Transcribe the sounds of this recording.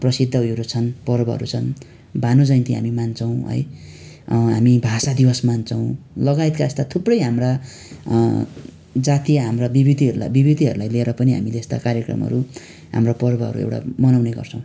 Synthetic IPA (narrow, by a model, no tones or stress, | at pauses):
prʌsid̪ʱːʌɦujoɾut͡sʰʌnpʌrbʌɦʌ̰ɾut͡sʰʌn | banod͡zʌjnt̪iɦa̰mimant͡sʌw̃ɦʌ̰j | ɦamibʱasad̪ibʌsmant͡sʰʌw̃lʌɡajt̪kaest̪at̪ʰuprʌjɦamra | d͡zat̪ijaɦamrabibid̪iɦʌɾula̰bibid̪iɦʌɾulajleeɾʌpʌniɦa̰mileest̪a̰kaɾjekrʌ̰mɦʌ̰ɾu | ɦa̰mrapʌrbʌɦʌ̰ɾṵḛwʈa̰mʌnawneɡʌ̰rt͡sʰʌ̃w̃